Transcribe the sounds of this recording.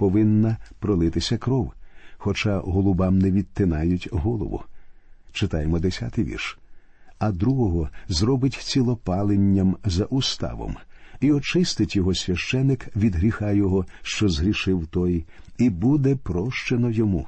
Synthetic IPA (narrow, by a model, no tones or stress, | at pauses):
pɔʋɪnːɐpɾɔlˠɪt̪ɪsʲɐkɾɔwxɔt͡ʃaɦɔlˠʊbamnɛʋʲid̪t̪ːɪnɑjʊtʲɦɔlˠɔ̰ʋʊ̰t͡ʃɪt̪ajemɔd̪esʲa̰t̪ɪjʋʲḭrʃ | ɐd̪ɾuɦɔɦɔzrɔbɪtʲt͡sʲilˠɔpɑlˠenʲːɐmzɐʔʊst̪ɑ̰ʋɔ̰miɔt͡ʃɪst̪ɪtʲjɔɦɔsʲʋʲɐʃt͡ʃɛnːɪkʋʲid̪ɦɾʲixɑjɔɦɔʃt͡ʃɔzɦɾʲiʃɪwt̪ɔj | ibud̪ɛpɾɔʃt͡ʃenɔjɔmu